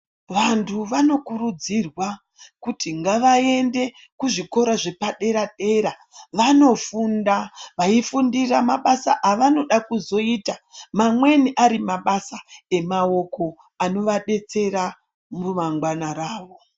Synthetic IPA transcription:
ʋantʰuʋano̞kurud͡zirwa | kutiŋɡaʋae̞nde̞ | kuʐiko̞ɾaʐe̞paɗe̞ɾaɗe̞ɾa | ʋano̞fundaʋaifundiramaɓasaʔaʋano̞ɗakuzo̞iːtamamwe̞niʔaɾimaɓasae̞mao̞ko̞ | ano̞ʋaɗe̞t͡se̞ɾa | mumaŋɡwanaɾaːʋo̞

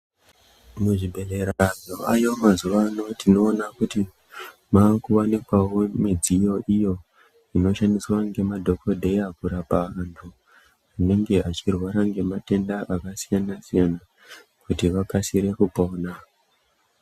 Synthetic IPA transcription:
muʐibʱe̞le̞ɾaʐoajo̞mazuʋaːno̞tino̞ːnakuti | maːkuwanekwawo̞mid͡zijo̞ʔijo̞ | ino̞ʃandiswaŋɡe̞madʱo̞ko̞dʱe̞jakuɾapaʋantʰu | une̞ŋɡe̞at͡ʃirwaɾaŋɡe̞mate̞ndaʔakasijanasijana | kutiʋakasiɾe̞kupo̞ːna

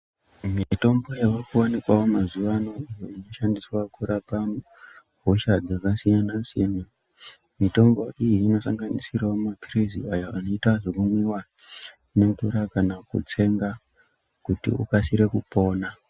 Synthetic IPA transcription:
mito̞mbo̞jaʋakuwanikwawomazuʋano̞ijoino̞ʃandiswakuɾapa | ɦoʃad͡zakasijanasijena | mito̞mbo̞ʔijiːno̞saŋɡanisirawomapirizḭajaʔano̞itaʐokumwiwa | ne̞mutuɾakanakṵt͡se̞ŋɡa | kutḭṵpasiɾe̞kupo̞ːna

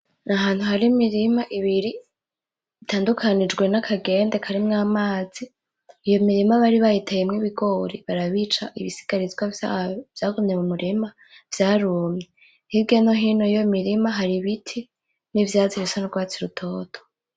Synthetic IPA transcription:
naɦaːn̥huɦaɾimiɾimaʔiβiɾi | itʰaːndukʰanid͡ʒɡwe̞nakʰaɡe̞nde̞kʰaɾimŋaːmaːz̥iː | jo̞miɾimaβaɾiβajitajemŋiβiɡo̞ːɾiβaɾaβit͡ʃaʔiβisi̥ɡ̥aɾizɡwaav̥jaːɡomɲemumuɾima | v̥jaːɾuːmɲe | hibɡano̞ɦiːnoijomiɾimaɦaɾiβitʰi | nivjaziβisonoɾɡwaːt͡siɾutʰo̞ːtʰo̥

